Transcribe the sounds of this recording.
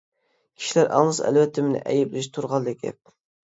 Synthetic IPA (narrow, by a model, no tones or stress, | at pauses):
kʲʰi̥ʃilæɾʔɑ̰ŋlˠɨsæ̰lvɛt̪ʰːɪmɪnɪ̰ʔɛjɪblɪʃt̪ʰuɾʁɑlˠd̪ɪk̚ʲɛ̰p̚